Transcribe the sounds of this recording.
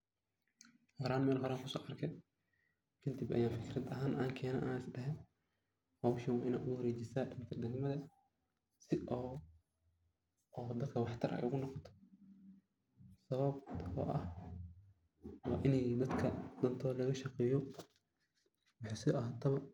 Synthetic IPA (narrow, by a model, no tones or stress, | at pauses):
hɔɾaːnmɛːlɦɔɾaːŋkʰʊsɔ̰ːʔɐrkʰɛ | kʰɪnt̪ɪbʔɐ̰jaːnfɪkʰɪɾɐd̪ɐɦaːnʔaːŋkʰɛːnɐ̰ːʔaːnɪsɖɛɦɛn | hɔːwʃɪnwɑːʔɪna̰ːd̪ʊwɐɾeːt͡ʃɪsaːdɐnkʰɐd̪ɛɡmɐðɐ | sɪʔɔː | ɔːd̪ɐd̪kʰɐwɑħt̪ʰɐɾʔɐ̰jʔʊɣʊnɔqɔt̪ʰɔ̥ | sɐβɐbɔ̰ːʔɐh | wɑːʔɪnɛjd̪ɐd̪kʰɐd̪̥ɐnt̪ʰɔːlɐɣɐʃɐqɛːjɔ | wɑħɑsɪɐɦaːt̪ʰɐβɐ